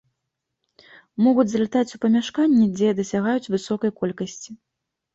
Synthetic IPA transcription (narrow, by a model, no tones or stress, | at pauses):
mɔɣud͡zʲzlʲat̪at͡sʲupɐmʲaʂkanʲːɛd͡zʲɛd̪ɐsʲaɣajut͡sʲvɨsɔkɐjkɔlʲkɐsʲt͡sʲi